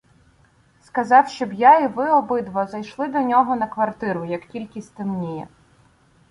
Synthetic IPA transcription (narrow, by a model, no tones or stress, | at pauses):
skɐzɑwʃt͡ʃɔbjaiʋɪɔbɪd̪ʋɔzɐjʃlˠɪd̪ɔnʲɔɦɔnɐkʋɐrt̪ɪɾʊjɐktʲilʲkʲisʲt̪ɪmnʲijɛ̰